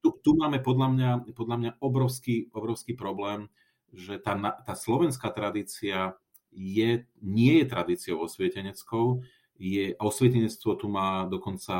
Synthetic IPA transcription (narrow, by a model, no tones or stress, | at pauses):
t̪ut̪umaːmɛpɔd̪ʎamɲapɔd̪ʎamɲaɔbɾɔʊskiːɔbɾɔʊskiːpɾɔblɛːm | ʒɛt̪aːnat̪aːslɔʋɛnskaːt̪ɾad̪iːt͡sia | jɛɲɪɛjɛt̪ɾad̪iːt͡siɔʊɔsʋɛcɛɲɛt͡skɔʊ | jɛɔsʋɛcɛɲɛt͡st̪ʋɔt̪umaːd̪ɔkɔnt͡sa